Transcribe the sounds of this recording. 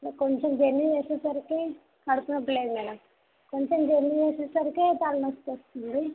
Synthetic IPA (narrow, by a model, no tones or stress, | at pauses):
koɲt͡ʃemd͡ʒenːit͡ʃeːsesɐɾiki | ɐɽukunɐʈːleːd̪umɛːnɐm | koɲt͡ʃemd͡ʒenːit͡ʃeːsesɐɾikit͡ʃaːlɐnɐst̪ost̪und̪i